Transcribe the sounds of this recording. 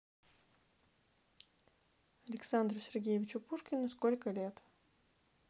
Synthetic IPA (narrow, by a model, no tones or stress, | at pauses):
ɐlʲɪksand̪ɾʊsʲɪrɡʲejɪvʲɪt͡ɕʊpuʂkʲɪnʊskolʲkəlʲet̪